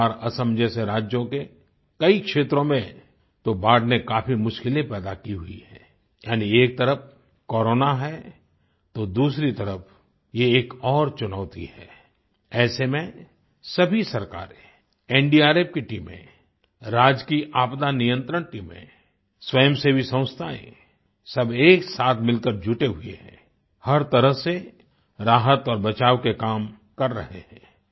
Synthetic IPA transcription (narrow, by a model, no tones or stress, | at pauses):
aɾɐsə̃md͡ʒeseɾaːd͡ʒjõke | kɐikʃeːt̪ɾõmẽ | t̪obʱaːɖnekaːpʰimʊʃkɪlẽpɛːd̪akiɦʊḭɦɛː | jaːnieːk̚t̪ɐɾəp̚ʰ | kɔːɾoːnaɦɛː | t̪od̪uːsɾit̪ɐɾəp | jeːkɔːɾt͡ʃʊnaːt̪ḭhɛː | ɛːsemẽ | sɐbʱisɐɾka̰ːɾẽ | ẽːɳɖiaːɾeːp̚kiʈiːmḛ̃ | ɾaːd͡ʒkiʔaːpd̪anijə̃nt̪ɾəɳʈiːmḛ̃ | swɐjəmsebʱisɐ̃wʊ̃st̪ʰaːḛ̃ | sɐbʱeːksaːt̪ʰmɪlkəɾd͡ʒʱʊʈeɦʊḛɦɛ̰̃ː | hɐɾt̪ɐɾəɦse | ɾaːɦət̪ɔːɾbɐt͡ʃaːʋkekaːm | kɐɾːɐ̰ɦḛhɛ̰̃ː